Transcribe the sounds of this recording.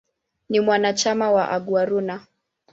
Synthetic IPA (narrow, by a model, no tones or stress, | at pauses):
nimwanat͡ʃamawaʔaɠwaɾuna